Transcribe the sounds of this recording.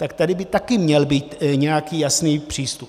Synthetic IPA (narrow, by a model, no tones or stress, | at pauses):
t̪akt̪adɪbɪt̪akɪmɲɛlbiːt̪ɲɛjakiːjasniːpr̥iːst̪up